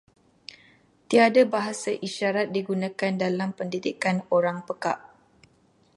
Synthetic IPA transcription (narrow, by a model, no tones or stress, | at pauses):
t̪iadabaɦasaʔiʃaɾat̪̚diɡunãkandalampəndidikanoɾaŋpəka̰ʔ